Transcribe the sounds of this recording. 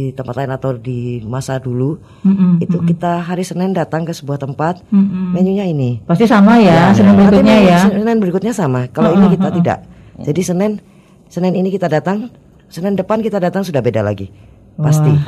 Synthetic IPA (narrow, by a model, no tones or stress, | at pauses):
it̪əmpat̪̚laɪnat̪awdimasadulu | it̪ukit̪aɦaɾisənɛndat̪aŋkəsəbuaht̪əmpat̪̚mɛɲuɲainipast̪isamajasənɛnbəɾiakiɲajasənɛnbəɾikʊt̪̚ɲasamakalainikit̪at̪ida̰ʔ | d͡ʒadisənɛn | sənɛninikit̪adat̪aŋ | sənɛndəpankit̪adat̪aŋsudahbeda̰la̰ɡḭ | past̪i